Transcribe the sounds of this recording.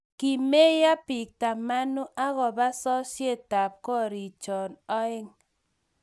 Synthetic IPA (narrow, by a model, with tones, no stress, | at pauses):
ki˨me˦ja˦pɪ˨k̚ta˨ma˦nʊ˦ʔa˦ɣɔ˨ba˦sɔ˦ʃje˦˨ta˨p̚kɔ˦ɾi˨t͡ʃɔ˨nɔ˦ɪ˦ŋ